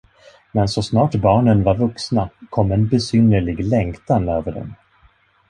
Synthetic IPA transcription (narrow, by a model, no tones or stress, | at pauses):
mɛnsɔsnɑːʈbɑːɳənvaɾvɵksnakʰɔmːɛnbɛsʏnəɭɪɡlɛŋkt̪anøːvəɖɛ̰n